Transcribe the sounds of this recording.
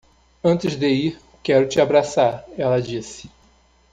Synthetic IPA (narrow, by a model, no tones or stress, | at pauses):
ɐ̃nt̪ɪzd̪eiɾ | kɛɾʊt͡ʃɪabɾasaɾɛlɐd͡ʒisɪ̥